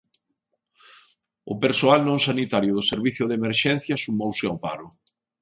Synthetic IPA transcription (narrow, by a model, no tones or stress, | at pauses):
ʊpeɾsoalnõŋsanit̪aɾjʊðʊseɾβiθjʊðemeɾʃɛn̟θjɐsumowsɪaʊpa̰ɾʊ